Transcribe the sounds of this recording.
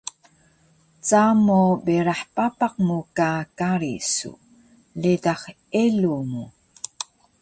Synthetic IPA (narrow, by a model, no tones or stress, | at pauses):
t͡samobeɾaħpapaq̚mukakaɾḭsṵ | ledaχ | elumu